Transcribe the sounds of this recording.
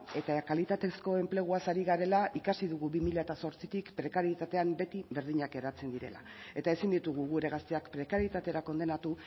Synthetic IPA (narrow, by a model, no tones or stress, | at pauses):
e̞t̪akalit̪at̪e̞sko̞e̞mple̞ɣ̞uasaɾiɣaɾe̞laʔikasiðuɣuβimiʎaet̪aso̞ɾt͡sit̪ikpɾe̞kaɾjet̪at̪e̞ambe̞t̪iβe̞ɾð̞iɲake̞ɾat͡se̞nd̪iɾe̞̰la̰ | e̞t̪ae̞sind̪it̪uɣ̞uɣuɾe̞ɣ̞ast̪eakpɾe̞kaɾjet̪at̪e̞ɾako̞nd̪e̞nat̪u